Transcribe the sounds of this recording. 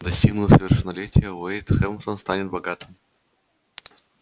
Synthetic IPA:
d̪ɐsʲtʲiɡnʊt̪əsəvʲɪrʂɨnːɐlʲetʲɪjəʊɛjt̪xɛmsənst̪anʲɪt̪̚bɐɡat̪ɨm

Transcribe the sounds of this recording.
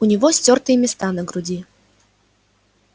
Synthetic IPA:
ʊnʲɪvɔsʲtʲɔrt̪ɨjəmʲɪst̪anəɡɾʊdʲi

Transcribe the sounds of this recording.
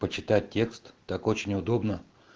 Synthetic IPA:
pət͡ɕɪt̪at̚ʲtʲːe̞kst̪ːako̞t͡ɕɪnʲʊd̪o̞bnə

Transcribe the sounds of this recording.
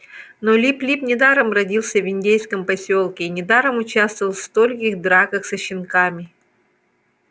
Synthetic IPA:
nolʲiplʲipnʲɪd̪aɾəmrɐdʲilˠsʲəvʲɪnʲdʲejskəmpɐsʲolˠkʲɪːnʲɪd̪aɾəmʊt͡ɕast̪vəvəlˠfst̪olʲkʲɪxd̪ɾakəxsɐɕːɪnkamʲɪ

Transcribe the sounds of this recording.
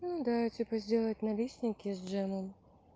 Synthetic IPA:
nud̪atʲipəzʲdʲelˠət̚ʲnɐlʲisʲnʲɪkʲɪzʲʐɛməm

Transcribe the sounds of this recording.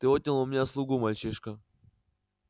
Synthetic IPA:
t̪ɨot̪̚ʲnʲɪlˠʊmʲnʲaslˠuɡumalʲt͡ɕiʂkə

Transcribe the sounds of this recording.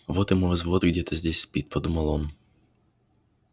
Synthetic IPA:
ʋɔt̪ɪmɔʋɛzʋɔt̪ʊɡdʲɛt̪ɛzʲd̪ʲɛsʲspʲit̪̚pɔd̪umɔlˠɔm

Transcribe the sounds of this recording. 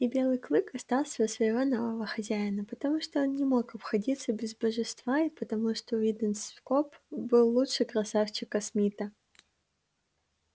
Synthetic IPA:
ibʲe̞lˠɨjklˠɨkɐst̪ɑlˠsʲəəsvəjɪvo̞novəvəxɐzʲæɪnəpət̪ɐmuʂt̪oonnʲɪmo̞kɐpxɐdʲit̪səbʲɪzbəʐɨst̪vaɪpət̪ɐmuʂt̪ovʲid̪ʲɪnskopbɨlˠːutʂɨkɾɐsaft͡ɕɪkɐsmʲit̪ə

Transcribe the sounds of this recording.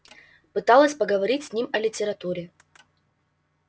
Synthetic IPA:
pɨt̪ɑlˠəsʲpəɡəvɐɾʲitʲsʲnʲimɐlʲɪtʲɪɾɐt̪uɾʲɪ

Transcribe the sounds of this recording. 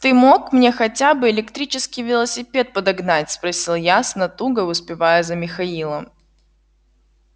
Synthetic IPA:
t̪ɨmo̞kmnʲe̞xɐtʲabɨɪlʲɪkt̪ɾʲit͡ɕɪskʲijvʲɪlˠəsʲɪpʲe̞t̪̚pəd̪ɐɡnatʲspɾɐsʲilˠjasnɐt̪uɡəʊspʲɪvajʊzəmʲɪxɐilˠə

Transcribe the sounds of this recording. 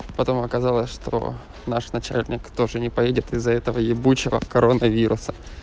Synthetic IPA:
pɐt̪o̞mɐkɐzɑlˠəsʲʂt̪o̰ | naʂnɐt͡ɕæ̰lʲnʲɪkt̪o̞ʐɨnʲɪpɐjedʲɪt̪ɪzːɐɛt̪əvəjɪbut͡ɕɪvə̰kɐɾonəvʲiɾʔʊsə̥

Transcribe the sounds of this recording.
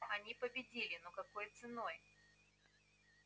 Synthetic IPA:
ɐnʲipəbʲɪdʲilʲɪnokɐko̞jt̪sɨno̞j

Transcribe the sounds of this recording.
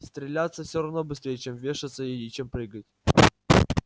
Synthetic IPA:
st̪ɾʲɪlʲat̪səfsʲoɾɐvnobɨst̪ɾʲejət͡ɕemvʲeʂɨt̪səɪit͡ɕempɾɨɡətʲ

